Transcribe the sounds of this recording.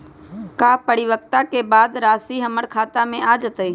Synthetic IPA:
kaːpəɽɪwək̚t̪akebaːd̪ɾaːsiɦəməɽkʰaːt̪amẽʔad͡ʒət̪əi

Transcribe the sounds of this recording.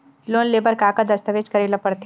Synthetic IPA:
loːnleːbəɾkaːkad̪ɐst̪əʋeːd͡ʒkɐɾeːlɐpəɽt̪ʰ

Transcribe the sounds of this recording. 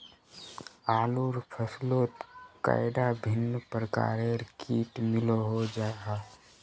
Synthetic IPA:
aːluɾpʰəsloːt̪ka̰ːɪd̪abʱɪnːəpəɾəka̰ːɾeɾkʰiːʈmɪloɦod͡ʒaːɡaː

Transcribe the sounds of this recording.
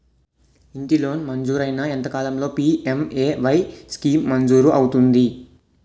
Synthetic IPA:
iɳʈilo̞ːnmɐnd͡ʒuːɾɐjnɐent̪ɐkaːlɐmlo̞ːpiːemeːʋɐjskiːmːɐnd͡ʒuːɾuʔɐwut̪und̪i

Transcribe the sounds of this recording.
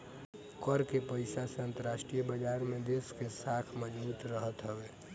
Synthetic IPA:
kəɾkepəɪsaseə̃nt̪əɾaʃʈɾijbəd͡ʒaːɾmẽd̪eskesakʰməd͡ʒbuːt̪ɾəɦət̪ɦəʋeː

